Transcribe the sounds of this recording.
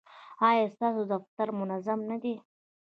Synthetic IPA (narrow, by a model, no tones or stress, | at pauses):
ɑjɑst̪ɑsod̪aft̪aɾmʊnazamnad̪e